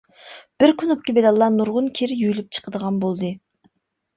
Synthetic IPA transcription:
b̥ɪɾkʰʲynup̚kʲibelɑlˠːɑnuɾʁʊnkʲʰiɾjylyp̚t͡ʃʰə̥qəd̪əʁɑnbolˠd̪ɨ

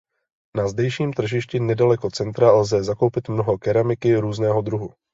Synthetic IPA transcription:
nazdɛjʃiːmt̪r̩ʒɪʃcɪnɛdalɛko̞t͡sɛnt̪ɾalzɛzako̞wpɪt̪mnoɦo̞kɛɾamɪkɪɾuːznɛːɦo̞d̪ɾuɦu

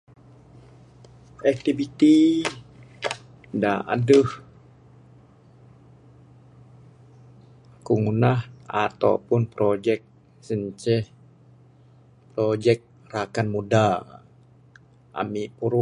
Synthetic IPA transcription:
ɛk̚t̪ivit̪i | da̰ʔa̰dəh | kuŋunahat̪a̰wpʊnpɾod͡ʒɛk̚ | səɲt͡ʃɛh | pɾod͡ʒɛk̚ | rakanmuda | ʔa̰miʔpuɾu

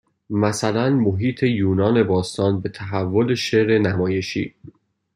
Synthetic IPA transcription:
mæsælænmoɦiːt̪ʰe̞juːnɒːne̞bɒːst̪ɒːnbe̞t̪ʰæɦævːo̞le̞ʃeɾe̞næmɒːje̞ʃḭː

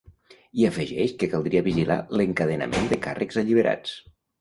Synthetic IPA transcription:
iəfəʒɛʃkəkalˠd̪ɾiəβiʒila̰ləŋkəðena̰mʔend̪əkarəkzaʎiβ̞əɾa̰t͡s

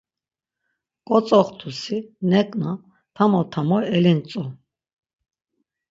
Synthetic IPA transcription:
kʼɔt͡sʼɔχt̪ʰusinɛkʼna | t̪ʰamɔt̪ʰamɔɛlint͡sʼɔ

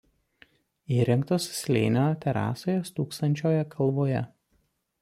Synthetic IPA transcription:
iːɾʲɪŋkt̪oːssʲlʲḛɪnʲot̪ʲɛɾɑ̰ːsoːjɛst̪uːkst̪ɐnʲt͡ʃʲoːjɛkʰɐlˠʋoːjɛ̰

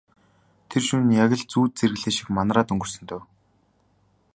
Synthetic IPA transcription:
t̪ʰerʃunjaɣʲə̆ɮt͡suːt̪̚t͡sʰerɣɘ̆ɮeːʃĭ̥kmanraːt̪ɵŋɡɵ̆r̥sɵ̆nt̪ʰœ̆w

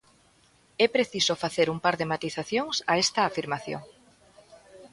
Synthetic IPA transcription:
ɛpɾeθisofaθeɾumpaɾðɪmat̪iθaθjoŋsaɛst̪ɐːfiɾmaθjo̰ŋ

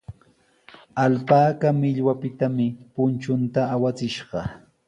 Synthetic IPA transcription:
alpaːkamɪʎwapɪt̪amɪpʊnt͡ʃʊnt̪aːwat͡sɪʃɢɑ

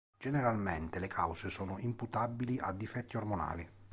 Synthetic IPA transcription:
d͡ʒeneɾalment̪ɪlekʰa̰wsesɔːnʊimput̪abiliʔa̰d̪ːifɛt̪ːiormona̰ːli

